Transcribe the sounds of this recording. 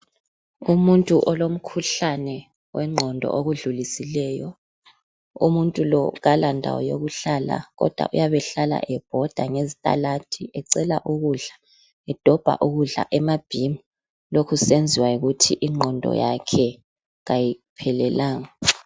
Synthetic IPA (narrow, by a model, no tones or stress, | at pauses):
umuntʼuʔɔlom̩kʰuɬanɛ | wɛŋ͡ǃʱɔndʱɔ̰ʔoɣuɮulisilɛːjɔ | ṵmuntʼulɔɣalandʱa̰wɔ̰joɣuɬala̰ɣɔ̰d̥ʱwa̰ʔṵjaβɛɬala̰ʔɛb̥̚ʱɔd̥ʱaŋezitʼa̰latʰiʔɛǀɛla̰ʔuɣuɮḁ | ɛd̥ʱɔb̥ʱa̰ʔuɣuɮa̰ʔɛmab̥ʱimu | lokʰusend͡zʱiwaiɣutʰiʔiŋ͡ǃʱɔndʱɔ̰jakʰɛ | ɣajipʰɛlɛlaːŋa